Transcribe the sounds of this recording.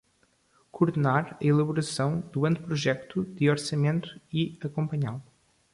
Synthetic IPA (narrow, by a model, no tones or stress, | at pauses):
kuɾðɨnaɾɐilˠɐβuɾɐsɐ̃w̃d̪uɐ̃nt̪̚pɾuʒɛkt̪ud̪ɨɔɾsɐmẽnt̪u̥iɐkõmpɐɲalˠ